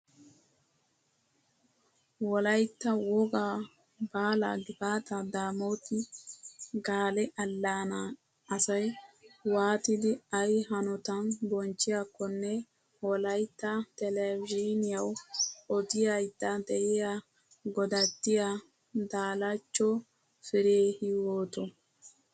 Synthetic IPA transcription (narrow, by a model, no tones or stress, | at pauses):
wɔlɐjt̪ːɐwɔɡa | baːla̰ɡɪbaːt̪ɐd̪aːmoːt̪ɪ | ɡaːlɛʔɐlːaːna | ɐsɐjwaːt̪ɪd̪ɪɐjɦɐnɔt̪ɐnbɔnt͡ʃːɪjakːɔnːɛ | wɔlɐjt̪ːɐt̪ɛlɛvd͡ʒinɪjɐwɔd̪ɪjajd̪ːɐd̪ɛʔɪja | ɡɔd̪ɐt̪ːɪja | d̪aːlɐt͡ʃːɔ | fɪɾeːhɪwoːt̪ɔ